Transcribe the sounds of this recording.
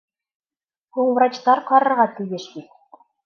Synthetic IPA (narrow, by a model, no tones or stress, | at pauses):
huɴvrɑt͡ɕt̪ɑɾqɑɾɤ̆ɾʁɑt̪ɘ̆jeʃbit̪